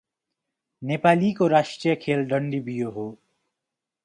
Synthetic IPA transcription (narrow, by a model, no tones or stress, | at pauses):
neːpaːlikoɾaːʃʈɾijəkʰeːlɖəɳɖibijoɦoː